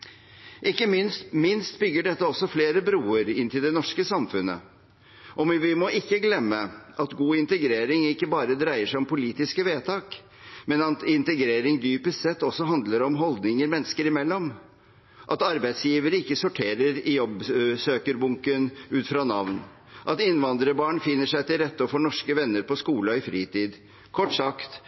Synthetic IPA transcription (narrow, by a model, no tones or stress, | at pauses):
ʔɪkːəmɪnmɪnst̪bʏɡːəɖɛt̪ːəɔsːɔfleːɾəbɾuːəɾɪnt̪ʰɪld̪ɛnɔʂkəsɑmfʉnə̰ | ʔɔʋɪʋɪmɔʔɪkːəɡlɛmːəʔɑt̪ɡuːɪnt̪əɡɾeːɾɪŋɪkːəbɑːɾəd̪ɾæɪəʂæɪɔmpʰʊliːt̪ɪskəʋeːt̪ʰɑːk | mɛnɑt̪ɪnt̪əɡɾeːɾɪŋd̪yːpəst̪sɛt̪ːɔsːɔɦɑnd̪ləɾɔmɦɔld̪nɪŋəɾmɛnːskəɾɪmɛlːɔm | ʔɑt̪ɑɾbæɪd̪sjiːʋəɾəɪkːəsʊʈʰeːɾəɾɪjɔbsøːkəɾbʊŋkənʉːt̪fɾɑːnɑʋn | ʔɑt̪ɪnːʋɑnd̪ɾəbɑːɳfɪnːəʂæɪt̪ɪlɾɛt̪ːəfɔɳɔʂkəʋɛnːəɾpɔskuːləɔɪfɾiːt̪ʰiːd̪ | kʰɔʈːsɑkt̪